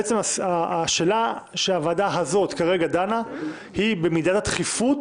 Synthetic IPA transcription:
et͡semasaːʃe̞ːlaʃeavadaɦazo̞t̪kaʁe̞ɡad̪ana | hibe̞mid̪at̪at̪χifut

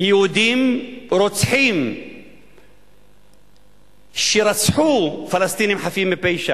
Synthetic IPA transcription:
jud̪imɾʊt̪ħim | ʃiɾˤɑsħuːfalast̪iːnimħafiːmɪpejʃa

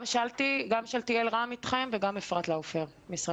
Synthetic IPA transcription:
mʃaltiɡamʃalt̪ielʁamit̪χemveɡamefʁat̪laofeʁ | misʁa

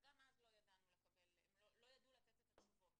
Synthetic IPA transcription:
ɡamazlo̞jad̪anulekabelḛmlolo̞jad̪ulat͡set̪et̪atufot

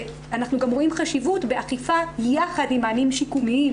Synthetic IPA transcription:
anaχnuɡamʁo̞imχaʃivutbe̞ʔaχifabejaχadimaːnimʃikumii

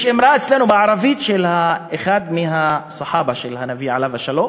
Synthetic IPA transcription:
ʃemɾaet͡sle̞nubeʕaɾavit̪ʃelhaeχad̪miɦasaħabaʃelhanaviʕa̰lavaʃalo̞m

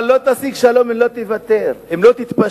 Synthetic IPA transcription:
lo̞t̪asiɡʃalo̞memlot̪evat̪eʁemlo̞t̪it̪pa

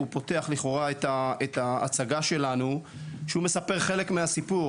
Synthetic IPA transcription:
upo̞te̞aχliχo̞ʁaet̪aet̪a̰ːt͡saɡaʃe̞lanu | ʃeume̞sape̞ʁχe̞le̞kmeasipu

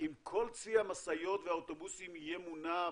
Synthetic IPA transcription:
ʔimkʰo̞lt͡siamasajo̞t̪veaot̪o̞busimijemuna

